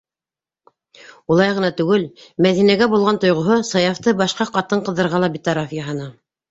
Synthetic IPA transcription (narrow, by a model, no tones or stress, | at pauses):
ulˠɑjʁɤ̆nɑt̪ʉɡɘlmæðinæɡæbulˠʁɑnt̪ŏjʁŏɦosɑjɑft̪ɤbɑʃqɑqɑt̪ɤɴqɤ̆ðɤ̆ɾʁɑlˠɑbit̪ɑɾɑfjɑɦɑnɑ